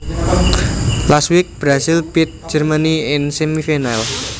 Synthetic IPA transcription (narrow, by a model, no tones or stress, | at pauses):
laswɪk̚b̥ɾasɪlpɪt̪̚d͡ʒərmaniɪnsemifinal